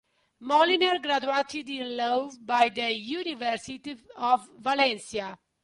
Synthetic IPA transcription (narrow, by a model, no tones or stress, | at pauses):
mɔlinəɾɡɾad͡ʒuaʈʰidĩnlobaɪd̪əjuːniʋəɾsiʈiɔfːalɛ̃nsia